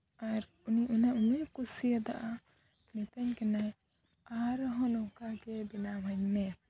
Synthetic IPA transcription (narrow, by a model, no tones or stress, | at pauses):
aɾ | uniʔunaʔunekusijəd̪aʔa | nit̪əɲkɛnaj | aɾɦɔ̃nɔkaɡɛbinabʱaɲmɛ